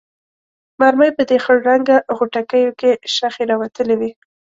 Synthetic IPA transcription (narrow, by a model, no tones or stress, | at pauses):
maɾməjpəd̪exəɽɾaŋɡaɣuʈakəjokeʃaxeɾɑwat̪əlewi